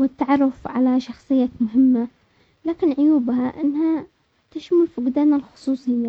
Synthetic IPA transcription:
wɪt̪ːaʕɑrˤːʊfʕa̰laʃɑxsˤɨjːamʊɦɪmːa | laːkɪnʕʊjuːbhaʔɪnːha | t̪ɪʃmʊlfiɡɪd̪aːnalxʊ̥sˤuːsˤim

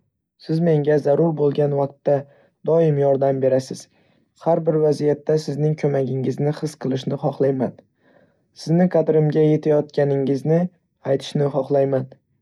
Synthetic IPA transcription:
sɪzme̞ŋɡʲazaɾʊɾbolˠɡʲanvaq̚t̪ːa | d̪̥ɒɪmjɒɾd̪ambe̞ɾasɪz̥ | haɾbɪɾvazijat̪ːasɪznɪŋkʲʰɵmaɡʲɪŋɪznɪχɨsqʰɨlˠɪʃnɪχɒχlˠajman | sɪznɪqʰɑd̪ɾɪmɡʲaje̞t̪ʰajɒt̪kʲanɪŋɪznɪ | ajt̪ʰɪ̥ʃnɪχɒχlˠajman

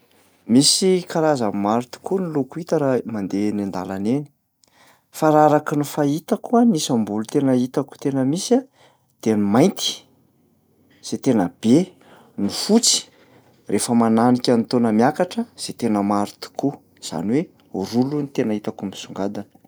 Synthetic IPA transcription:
misikaɾazammaɾit̪u̥kunilukuit̪aɾamand̪enind̪alaneni̥ | faɾaɾakinifait̪akuanisambulut̪enəit̪aku̥t̪enəmisa | d̪̥enimajnt̪i̥ | z̥et̪enəb̥e | nufut͡si̥ | rʔefəmananikʲant̪onəmjakaʈ͡ʂəz̥et̪enəmaɾit̪u̥kʰu | z̥a̰niwe | uɾulunit̪enəit̪akumisuŋɡad̪anə̥

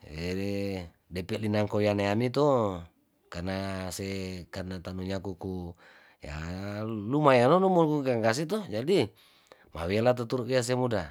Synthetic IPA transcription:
ee | dɛpɛʔlinaŋkojanaamit̪o | karnasekarnat̪anuɲakuku | ja̰ | lumajanonumulkuɡaŋɡas̬it̪ɔd͡ʒadi | ma̰welat̪̬ot̪uɾuʔias̬emuda

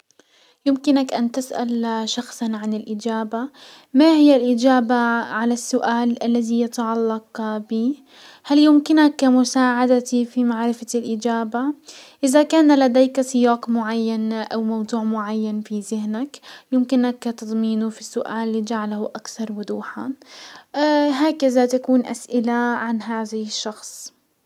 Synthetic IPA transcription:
jɪmkɪnakʔant̪ɪsʔa̰lʃɑxsˤɑnʕanɪlʔɪd͡ʒaːba | mahɪjːalʔɪd͡ʒaːbaʕalasːʊʔaːlʔalːaðijɪt̪ɑʕɑlːɑqbiː | haljʊmkɪnakːmʊsaːʕad̪at̪ifimaʕɾɪfalʔɪd͡ʒaːbaʔɪðakaːnlad̪eːksɪjɑːqmʊʕajːanʔawmawd̪ˤuːʕmʊʕajːanfizɪhnakjɪmkɪnakːat̪ɑd̪ˤmiːnufisːʊʔaːlːid͡ʒaʕalhuʔakθɑɾˤwʊd̪uːħa̰ | ɦaːkaðat̪akuːnʔa̰sʔɪlaʕanɦaːðahɪʃːɑxsˤ

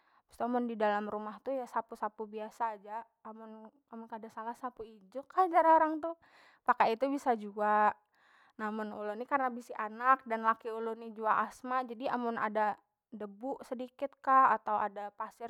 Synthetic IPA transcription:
bə̥st̪uamʊndidalamrumaht̪ujasapusapubiasaːd͡ʒaː | mʊn | amʊnkadasalahsapuid͡ʒʊkːad͡ʒaɾoɾaŋt̪ʊ | pakait̪ubisad͡ʒua | namʊnulʊnikarnabisiʔanak̚danlakiulʊnid͡ʒuaʔasmad͡ʒadia̰mʊna̰da | dəbuʔsədikɪt̪̚kahat̪awa̰dapasɪr

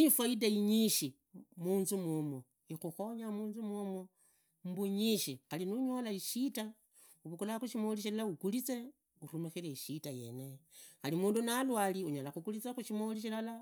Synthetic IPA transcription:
nifwaidaiɲiʃi | muːnzumumo | ixuxo̞ɲamuːnzumomo | mbuɲiʃixalinuɲo̞laiʃita | uβukulaxuʃimoliʃ̬ilalaukulit͡se̞ | uɾumixiɾeiʃitaje̞̰nexalimuːndunalwaːliuɲolaxukulit͡sexuʃimoliʃ̬ilala

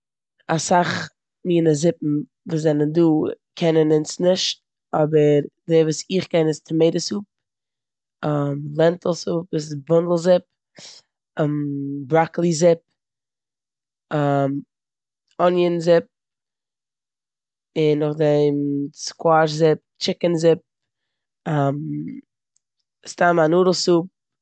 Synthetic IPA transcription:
asaχ | miːnəzɪpm̩ | vuːs̬zɛnənduːkʰɛnənɪnsnɪʃt̚ | ɔbəɾdɛvuːsɪχkɛnɪstʰəmeɪdəsuːp̚ | amlˠɛntəl̩ˠsupvusɪsbʊndl̩ˠzɪp̚ | bɾaklˠizɪp̚ | am | ɔnjənzɪp̚ | ɪnːʊχdɛmskwaʃzɪp̚t͡ʃɪkənzɪp̚ | am | stamanuːɾəl̩ˠsuːp̚

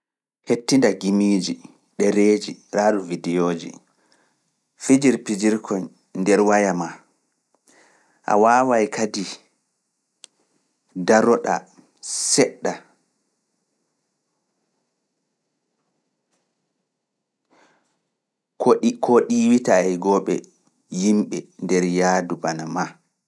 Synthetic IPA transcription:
hetːindaɡimiːd͡ʒi | ɗɛɾeːd͡ʒiɾaːɗuvidɛjoːd͡ʒḭ | fid͡ʒiɾpid͡ʒiɾkʰɔn | ndɛɾwajama | ʔa̰wawajkʰadi | daɾɔɗa̰ | sɛɗːa | kkʰoɗiwitaɛɡɔɓɛ̰ | jimɓɛndɛɾjaːdubanama

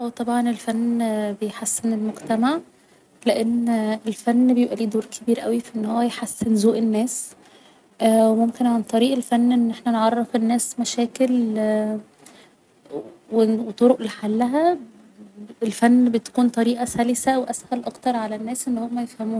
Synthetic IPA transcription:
wet̪ˤɑbʕɑnelfænːbejħasːenelmoɡt̪æmaʕ | leʔenːelfænːbejebʔæliːd̪oːɾkʰebiːɾʔæwifiʔenːhowːæjħasːenzoːʔenːæːs | wemomkenʕant̪ˤɑɾiːʔelfænːʔenːʔeħnænʕɑrˤːefenːæːsmæʃæːkel | wewet̪ˤoɾoʔleħalːæɦæ | elfænːbet̪æ̥kuːnt̪ˤɑɾiːʔɑsælesæweʔæshælʔɑkt̪ɑɾˤʕalænːæːsʔenːhomːæjefhæmuː

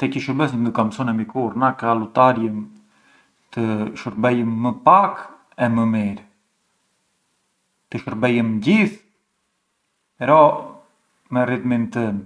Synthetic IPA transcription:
t̪ɛcəʃəbəsnd̪əkamsɔnɛmikuɾnakalut̪aɾjəm | t̪əʃəɾbɛjəmːəpak | ɛməmiɾ | t̪əʃəɾbɛjəmd͡ʑiθ | ɛɾɔ | mɛrit̪mint̪ə

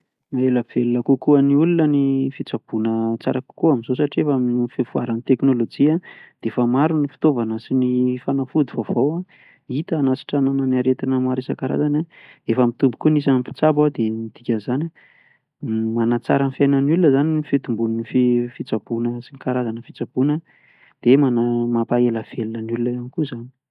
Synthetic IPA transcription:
maeləv̥elunəkukuəniulunənifit͡sab̥unət͡sa̰ɾaku̥kuaminzos̬aʈ͡ʂiefaminfifua̰ɾanit̪eknolod͡ʒiad̪̥efəmaɾunifi̥t̪ovanəsinifanafud̪ivovowa | it̪əːnasi̥ʈ͡ʂanananiaɾet̪inəmaɾesakaɾa̰zanaefəmit̪umbu̥kunis̬anipi̥t͡sabawad̪emid̪̥ikʲənzana | manat͡sa̰ɾənfjajnənulunəzaniifit̪umbununififit͡sab̥unəsinikaɾazanəfit͡sab̥unə | d̪̥emanamapaeləv̥elunənulunəjanikuzani̥

